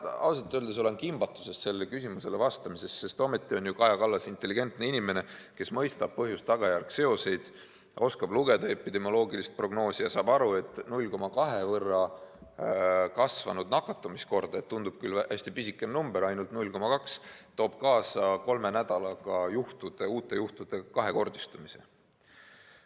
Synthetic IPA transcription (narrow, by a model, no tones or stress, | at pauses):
ɑ̰lus̬ɑt̪ːˑøld̪es̬o̞le̞nkimbɑt̪ːˑu̥se̞st̪se̞lːekys̬ʲimuse̞le̞vɑst̪ɑmise̞sse̞st̪o̞me̞t̪ːˑio̞njukɑjɑkɑlːɑsint̪ːˑe̞lːiɡ̥e̞nt̪neinime̞ne̞ke̞smɤjst̪ɑb̥̚pɤɦjust̪ːɑɡ̥ɑjærɡ̥se̞o̞se̞jd̪̥ | o̞skɑb̥luɡe̞d̪ɑe̞pːid̪e̞mo̞lo̞ːɡilist̪̚pro̞ɡno̞ːsijɑsɑːbɑɾue̞t̪ˑːnulʲko̞mɑkɑɦe̞vɤrːɑ | kɑsvɑ̰nud̪nɑkːˑɑt̪ːˑumisko̞rd̪̥ɑe̞t̪t̪ːund̪ub̥̚kylhæsʲt̪ipisikːˑennumbeɾɑjnult̪nulʲko̞mɑkɑkst̪oːb̥̚kɑːsɑko̞lme̞næd̪̥ɑlɑɡ̥ɑjuht̪ud̪̥e̞uːt̪ːˑe̞juht̪ud̪̥e̞kɑɦe̞ko̞rd̪ist̪umise̞̰